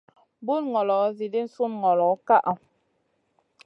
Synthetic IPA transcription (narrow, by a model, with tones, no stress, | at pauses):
bu˦nŋɔ˨lɔ˨˦zi˨di˦n̩˦su˦nŋɔ˨lɔ˨˦ka˦ʔa˨